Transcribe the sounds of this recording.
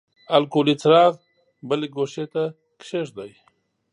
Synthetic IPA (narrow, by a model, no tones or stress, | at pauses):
alkolit͡sɾɑːɣ | bəleɡoʃet̪a | kʃeʂd̪aj